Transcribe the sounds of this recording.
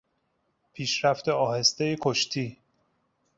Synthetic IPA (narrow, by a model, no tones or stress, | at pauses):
pʰiːʃɾæft̪e̞ɒːhe̞st̪e̞jekʰoʃt̪ʰiː